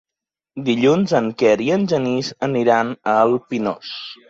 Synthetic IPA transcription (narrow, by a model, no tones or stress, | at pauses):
d̪iʎunzəŋkɛɾiənʲʒənizəniɾanəlˠpinɔ̰s